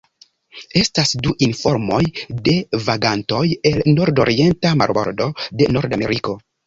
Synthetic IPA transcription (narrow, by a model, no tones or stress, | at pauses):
e̞stasduʔinfo̞ɾmo̞jde̞vaɡanto̞je̞lno̞ɾdo̞̰ɾie̞ntama̰ɾbo̰ɾdo̞de̞no̞ɾdame̞̰ɾiko̞